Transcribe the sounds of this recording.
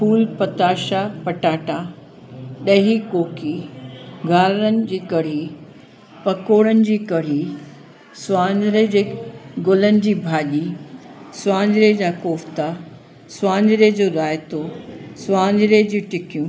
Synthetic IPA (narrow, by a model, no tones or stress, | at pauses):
pʰuːlpɐt̪aːʃapɐʈaːʈaː | ɗɐɦikoːki | ɡʱaːɾəɾənɪ̆d͡ʑiːkɐɽ̤i | pɐkoːɽənɪ̆d͡ʑiːkɐɽ̤i | sʋãːɲd͡ʑɪɾed͡ʑeːɡʊlənɪ̆d͡ʑiːbʱaːʄi | sʊwãːɲd͡ʑɪɾed͡ʑaːkoːft̪a | swãːɲd͡ʑɪɾed͡ʑoːɗaːɪt̪osʋaːɲd͡ʑɪɾed͡ʑĩːʈɪkijũː